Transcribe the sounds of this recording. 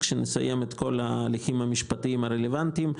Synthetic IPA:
kʃenesa̰jemet̪ko̞laːliximhamiʃpat̪iimaɾelevant̪im

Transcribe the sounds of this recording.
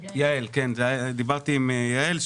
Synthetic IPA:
jaelkenzead̪ibaʁt̪iːmjaelʃ

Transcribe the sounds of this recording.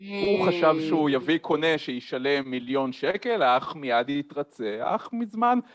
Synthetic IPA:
huχaʃavʃeujavikʰo̞ne̞ʃejiʃale̞mːiljo̞nʃeke̞laχmijad̪it̪ʁat͡se̞a̰χmizman

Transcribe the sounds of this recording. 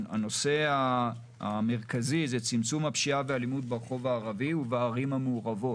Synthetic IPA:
a̰no̞se̞aː | me̞ʁkazizet͡simt͡sumhapʃiavealimud̪̚beʁeχo̞vaːʁaviuvaːʁimhamuːʁavo̞

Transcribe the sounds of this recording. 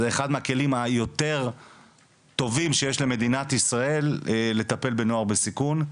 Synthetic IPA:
zeeχad̪meake̞limajo̞t̪e̞ʁ | t̪o̞vimʃejeʃleme̞d̪inat̪isʁae̞lle̞t̪ape̞lbe̞no̞aʁbesikun

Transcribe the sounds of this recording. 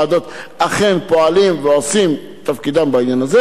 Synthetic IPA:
ad̪ot̪aχenpo̞alimveosim | t̪afkid̪ambainjanaze

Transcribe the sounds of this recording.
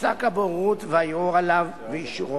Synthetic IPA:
sa̰kaboʁut̪veajuʁalav | veiʃʁo

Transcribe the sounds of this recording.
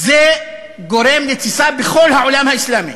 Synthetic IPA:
ze | ɡo̞ɾemlet͡sisabexo̞lhaʕolamhaislaːmḭ

